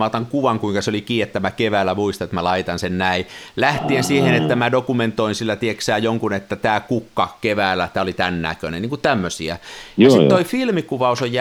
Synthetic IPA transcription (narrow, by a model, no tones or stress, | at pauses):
ɑːt̪ɑŋkuʋɑŋkuiŋkɑseolikiːet̪ːæmækeʋæːlːˑæmuist̪ɑnet̪mælɑit̪ɑnsennæilæht̪iensiːhenet̪ːæmædokument̪oinsilːæt̪ieksæːjoŋkunet̪ːæt̪æːkukːɑkeʋæːlːˑæt̪æːolit̪ænnæ̰køneniːŋkut̪æmːøsiæ̰siːoifilmikuʋɑusojjæ